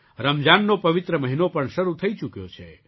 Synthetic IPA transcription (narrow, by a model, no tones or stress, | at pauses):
ɾəmd͡ʒanːopɐʋɪt̪ɾəməɦinopəɳʃəɾut̪ʰəit͡ʃukjo̰t͡ʃʰḛ